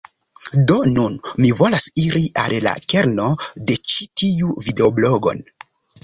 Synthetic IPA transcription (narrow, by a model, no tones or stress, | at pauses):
do̞nunmivo̞lasiɾiʔa̰lla̰ke̞ɾno̞de̞t͡ʃi̥tʰiuvide̞oblo̞ɡo̞̰n